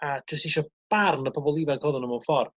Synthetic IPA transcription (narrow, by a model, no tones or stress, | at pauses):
ad̥ʰəstɪʃɔb̥arnəpʰɔbɔlˠivaɡʰɔðʊnəmɔwfɔr